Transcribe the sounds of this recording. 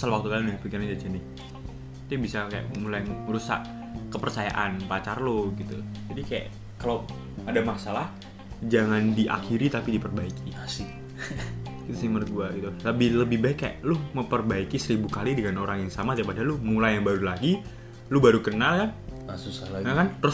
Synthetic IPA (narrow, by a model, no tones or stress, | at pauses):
salawak̚t̪ukalinahpikiɾnd͡ʒat͡ʃənɪ | t̪ibisakaja̰ʔmulajəɾusa̰ʔ | kəpərt͡ʃaja̰ʔanpat͡ʃarlʊɡit̪ṵd͡ʒadikaja̰ʔ | kalaw | adamasalah | d͡ʒaŋandiʔa̰kiɾit̪apidipərbaikiasɪ | ɡit̪usimərɡuaʔɡit̪uləbɪhləbɪhbaɪkːaja̰ʔlʊhməmpərbaikisəɾibukalidəŋanoɾaŋjaŋsamat̪ipadalʊmulajaŋbaɾulaɡi | lʊbaɾukənalkanasusaaakanɾʊs